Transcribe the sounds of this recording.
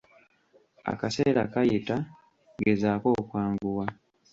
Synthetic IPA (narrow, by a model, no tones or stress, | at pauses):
a̰kase̞ːɾʔa̰kajita | ɡezaːko̞ːkwaːŋɡuwa